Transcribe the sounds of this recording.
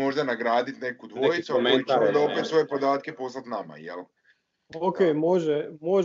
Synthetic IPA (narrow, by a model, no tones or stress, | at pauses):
mo̞ʒd̪anaɡɾaːd̪it̪ne̞kud̪ʋojit̪sueiond̪aopet̪sʋo̞jepo̞d̪aːt̪̚kepo̞slat̪nama̰jḛl | okeːmoʒɛmoʒ